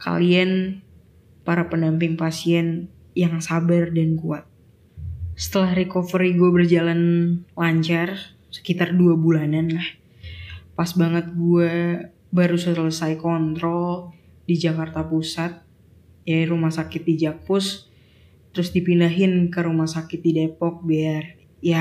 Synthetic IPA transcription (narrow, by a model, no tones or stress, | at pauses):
ka̰lian | paɾapəndampɪŋpasiɛn | jaŋsabardankuat̪̚ | sə̥t̪əlahrikofɾiɡuabərd͡ʒalanlaɲt͡ʃar | sə̥kit̪arduabulananlah | pasbaŋət̪̚ɡua | baɾusələsajkɔnt̪ɾɔl | did͡ʒakart̪apusat̪̚ | jaɾumahsakɪt̪̚did͡ʒakʊs | t̪ːəɾʊsdipindaɦɪnkəɾumahsakɪt̪̚didepɔk̚biar | ja